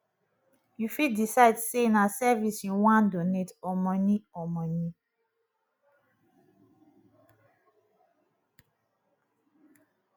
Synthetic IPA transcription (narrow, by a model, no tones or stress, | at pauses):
jufidisaɪdsenasɛvisĩwãndonetɔmɔniɔmɔ̃ni